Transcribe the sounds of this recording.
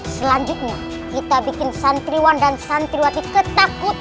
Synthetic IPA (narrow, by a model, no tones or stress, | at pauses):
səlaɲd͡ʒut̪̚ɲa | kit̪abikɪnsant̪ɾiwandansant̪ɾiwat̪ikət̪akʊt̪̚